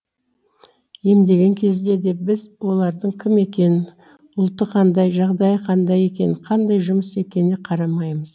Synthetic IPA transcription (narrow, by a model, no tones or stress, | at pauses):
je̞md̪e̞ɡʲe̞ŋkʲʰe̞zd̪e̞d̪e̞bɪzwo̞lˠɑɾd̪əɴkʲʰɪme̞kʲe̞nɪ | ʊlˠt̪ːəqʰɑnd̪ɑjʒɑʁd̪ɑjqʰɑnd̪ɑje̞kʲe̞nɪqʰɑnd̪ɑjʒʊməse̞kʲe̞nɪqʰɑɾɑmɑjməz̥